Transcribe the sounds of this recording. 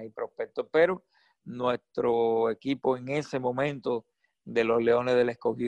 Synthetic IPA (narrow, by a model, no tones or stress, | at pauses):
ajpɾo̞pek̚t̪ohpeɾo | nwe̞st̪ɾoe̞kipo̞eŋe̞se̞mõ̞mẽnt̪o̞ | ðe̞lo̞sle̞o̞nezðe̞laesko̞hi